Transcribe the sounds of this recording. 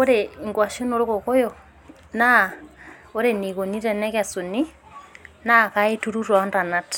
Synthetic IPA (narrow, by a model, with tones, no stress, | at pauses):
o˦ɾe˨i˨ŋɡwa˨ʃo˦no˨ɾo˦ko˨ko˦jɔ˨ | na˦ | o˦ɾe˨ni˨ko˨ni˦ɾɛ˨nɛ˦ka˨so˨ni˦ | na˦˨ka˦e˦tu˦ɾu˦ɾwa˨˦nda˨na˦t